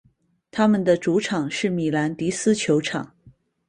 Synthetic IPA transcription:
t̪ʰa˥mə˨nd̪ə˨ʈ͡ʂu˧˥ʈ͡ʂʰɑ˨˩ŋʂɻ̩˥˩mi˨˩la˧˥nt̪i˧˥sɹ̩˥t͡ɕʰjo˧˥ʊʈ͡ʂʰɑ̰˨˩˦ŋ

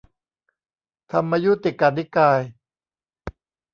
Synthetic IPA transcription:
t̪ʰa˧mːaː˧ju˦˥t̪i˨˩kːa˨˧˩ni˦˥kaː˧j

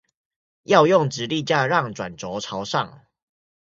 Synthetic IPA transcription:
jɑ˥˧ʊjʊ˥˨ŋʈ͡ʂɻ̩˨˦li˥˨t͡ɕja˥˧ɻɑ˥˨ŋʈ͡ʂwa̰˨˩nʈ͡ʂɔ˨˦ʈ͡ʂʰaɑ˨˧˦ʊʂɑ˥˨ŋ

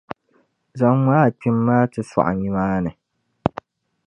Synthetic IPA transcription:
za˦ŋmʷ˦aː˦˨k͡pi˦mːaː˦tɨ˨sɔ̰˨ʔa̰˨ɲi˦maː˦nɨ˨

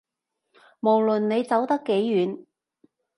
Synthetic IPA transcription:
mo˨˩wlɵ˨˩nne˨˧jt͡sɐ˨˥wt̪ɐ˥kːe˨˥jːyː˨˧n

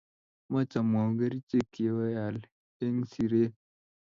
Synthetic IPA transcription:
ma˦t͡ʃa˨ma˨ɡɐ˦ɾi˦t͡ʃe˦ki˨wa˦ja˨l | e˦ŋsi˨ɾe˦

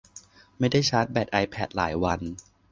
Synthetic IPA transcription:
ma˥˩jda˥˩jt͡ɕʰaː˦˥t̪̚bɛː˨˩t̪̚ʔa˧jpʰɛː˨˩t̪̚la̰ː˩˦jwa˧n

